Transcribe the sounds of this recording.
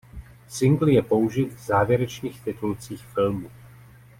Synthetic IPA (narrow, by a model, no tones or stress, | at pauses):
sɪŋɡl̩jɛpo̞uʒɪt̪vzaːvjɛɾɛt͡ʃniːxt̪ɪt̪ult͡siːxfɪlmu